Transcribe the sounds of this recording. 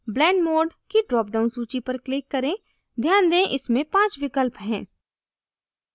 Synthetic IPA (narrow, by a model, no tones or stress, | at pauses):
blɛ̃ːɳɖmoːɖkiɖɾɔːp̚ɖaːʊnsuːt͡ʃipɐɾklɪkːɐɾẽː | d̪ʱjaːnd̪ẽːʔɪsmẽpãːt͡ʃʋɪkəlpɦɛ̃ː